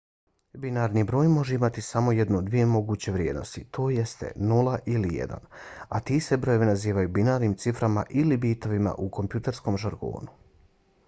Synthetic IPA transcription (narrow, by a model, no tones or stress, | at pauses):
binaːɾnibɾo̞ːjmo̞ʒeimat̪isamo̞je̞d̪nood̪ʋije̞mo̞ɡuːt͡ɕe̞ʋɾjeːd̪no̞̰st̪it̪ʰo̞ːje̞st̪e̞̰nulˠaʔilijḛd̪a̰nat̪iːsebɾo̞joʋinaziːʋajubinaːɾniːmt̪sifɾama̰ʔilibiːt̪oʋima̰ʔuko̞mpjut̪eɾsko̞mʒaɾɡo̞̰ːnu